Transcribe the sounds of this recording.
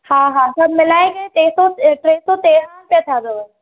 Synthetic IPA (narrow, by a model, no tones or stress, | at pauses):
hãːɦãsɐbmɪlaːẽɡt̪eːsoʈɾeːsot̪eːɾaːnpjət̪ʰad̪oː